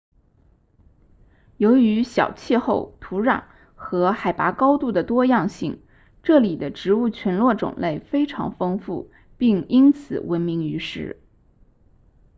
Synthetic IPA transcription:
jo˧˥ʊy˧˥ɕjɑ˨˩ʊt͡ɕʰjɛ˥˧xo˥˩ʊt̪ʰu˧˥ɻɑ̰˨˩ŋ | xɤ˧˥xa˨˩ɪpa˧˥kɑ˥ʊt̪u˥˩d̪ə˩t̪wɔ˥jɑ˥˧ŋɕi˥˩ŋ | ʈ͡ʂɤ˥˩li˨˩d̪ə˦ʈ͡ʂɻ̩˧˥u˥˩t͡ɕʰɥɛ˧˥nlwɔ˥˩ʈ͡ʂʊ̰˨˩ŋle˥˩ɪfe˥ɪʈ͡ʂʰɑ̰˧˥ŋfɤ˥ŋfṵ˥˩ | pi˥˩ŋi˥nt͡sʰɹ̩˨˩wə˧˥nmi˧˥ŋy˧˥ʂɻ̩̰˧˥

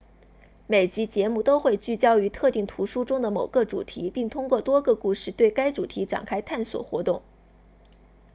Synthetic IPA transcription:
me˨˩ɪt͡ɕi˧˥t͡ɕjɛ˧˥mu˥˩t̪o˥ʊxwe˥˧ɪt͡ɕy˥˩t͡ɕjɑ˥ʊy˧˥t̪ʰɤ˥˧t̪i˥˩ŋt̪ʰu˧˥ʂu˥ʈ͡ʂʊ˥ŋd̪ə˨mo˨˩ʊɡə˥˧ʈ͡ʂṵ˨˩t̪ʰi˧˥pi˥˩ŋt̪ʰʊ˥ŋkwɔ˥˧˩t̪wɔ˥ɡɤ˧ku˥˧ʂɻ̩˥˩t̪we˥˩ɪka˥ɪʈ͡ʂu˨˩t̪ʰi˧˥ʈ͡ʂa̰˨˩ŋkʰa˥ɪt̪ʰa˥˩nswɔ̰˨˩xwɔ̰˧˥t̪ʊ˥˩ŋ

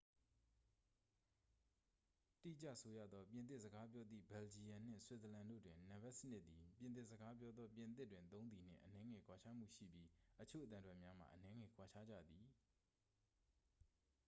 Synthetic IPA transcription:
tḭ˦˨t͡ɕä̰˦˨ʔso˦jä̰˦˨d̪ɔ˦pjɪ̃˨nt̪̬ɪ˦ʔzəɡa˦pjɔ˦d̪ðḭ˦˨bɛ˨ld͡ʑi˨jã˨n̥ɪ̰̃˦˨swɪ˦t̪t̪ə˨lã˨ndo̰˦˨dwɪ̃˨nã˨bɛ˦ʔsə˦nɪ˦ʔ̪̚t̪i˨pjɪ̃˨nt̪ɪ˦ʔzə˨ɡa˦p̬jɔ˦d̪ðɔ˦pjɪ̃˨nt̪̬ɪ˦tːwɪ̃˨nt̪õ˦ʊ̃nd̪i˨n̥ɪ̰̃˦˨ʔənɛ˦ŋɛ˨kʰwa˨t͡ɕʰa˦m̥ṵ˦˨ʃḭ˦˨bji˦ʔət͡ɕʰo̰˦˨ət̪ã˨ndwɛ˦ʔmja˦m̥a̰˨ʔənɛ˦ŋɛ˨kwa˨t͡ɕʰa˦d͡ʑä̰˦˨d̪i˨

